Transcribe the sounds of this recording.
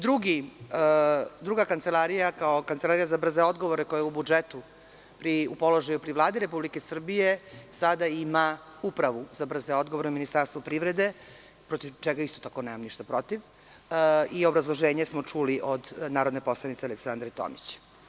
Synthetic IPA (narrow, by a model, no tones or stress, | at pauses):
d̪ɾuɡi | d̪ɾuɡakant̪selaɾijakaokant̪elaɾijazabr̩zeo̞d̪ɡo̞ʋoɾekojaubud͡ʒet̪u | pɾiupo̞lo̞ʒajupɾivlˠaːd̪iɾe̞publike̞sr̩bijesad̪aima | upɾaʋuzabr̩zeo̞d̪ɡoʋoɾeuminist̪aɾst̪ʋupɾiʋɾed̪e̞ | pɾot̪iʋt͡ʃɛɡaist̪ot̪akonemamniʃt̪apɾo̞t̪iʋ | io̞bɾazlˠo̞ʒeːɲesmot͡ʂuliʔod̪naːɾo̞d̪nepo̞slˠanit̪sealeksand̪ɾet̪o̰mit͡ɕ